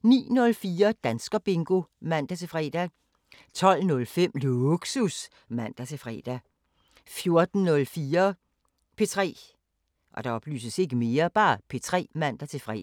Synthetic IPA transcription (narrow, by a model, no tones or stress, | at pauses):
nḭːnɔ̽lfiːɐd̥ænsɡ̥ɐb̥e̝ŋɡ̥o̝mæn̰d̥æt͡sʰe̝fʁɛ̰d̥æ | t͡sʰɒ̽l̰nɔ̽lfem̰loɡ̥sus | mæn̰d̥æt͡sʰe̝fʁɛ̰ːd̥æ | fjo̝ɐd̥n̩nɔ̽lfiːɐ | pʰe̝t͡sʰʁɛ̰ː | ʔɒ̽d̥ɑ̈ɒ̽b̥ly̰ːsəse̝ɡ̥əme̝ːɐb̥ɑ̈ːpʰe̝t͡sʰʁɛ̰ːmæn̰d̥æt͡sʰe̝fʁɛ̰